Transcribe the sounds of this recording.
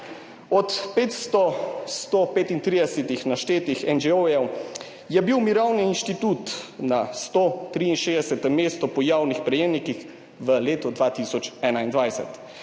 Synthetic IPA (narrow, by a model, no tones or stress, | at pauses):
ɔt̪peːt̪st̪ɔst̪opeːt̪int̪ɾiːd̪ɛsɛt̪ixnaʃt̪eːt̪ixɛnd͡ʒɛɔjɛw | jɛbiwmiɾawniːnʃt̪it̪ut̪nast̪ot̪ɾiːinʃeːd̪ɛsɛt̪ɛmeːst̪ɔpɔjaːwnixpɾɛjeːmnikix | ʋəleːt̪ɔd̪ʋat̪isɔt͡ʃɛːnaind̪ʋajsɛ̰t̪